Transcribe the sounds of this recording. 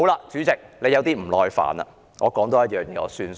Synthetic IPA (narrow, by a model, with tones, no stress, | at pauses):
o˨˥wlaː˧t͡syː˨˥t͡sɪ˨k̚le˨˧jɐ˨˧wt̪iː˥m̩˨˩lɔː˨˧jfa̰ː˨˩nɐ̰˧ | ŋɔː˨˧kɔː˨˥ŋt̪oː˧jɐ˥t̚jœː˨˩ŋjɛː˨˧ŋɔ̰ː˨˧syː˧n